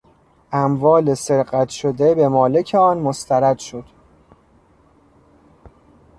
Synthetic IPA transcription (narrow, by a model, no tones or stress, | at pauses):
ʔæmvɒːle̞se̞ɾɢæt̪ʰʃod̪e̞be̞mɒːle̞cʰeɒːnmost̪ʰæɾæd̪̥ʃod̪̥